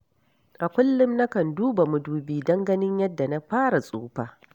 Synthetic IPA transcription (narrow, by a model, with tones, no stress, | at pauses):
ʔa˨kʷʊ˦lːʊ˦mna˦kɐ˨nduː˦ba˨mʊ˦duː˦biː˦dɐ˦ŋɡɐ˦nɪ˦ɲjɐ˦dːa˨na˦ɸaː˦ɽa˨sʼṵː˦ɸaː˦˨